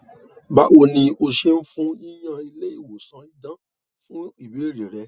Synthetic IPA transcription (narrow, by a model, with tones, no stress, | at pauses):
ba̰˨wo˧nĩ˧o˧ʃe˦n̩˦fũ˦i˦j̃ã˧i˧le˦i˦˨wo˨sã˨˧˦i˦dã˦ | fũ˦i˦˨we˨˦ɾi˨ɾɛ˧˦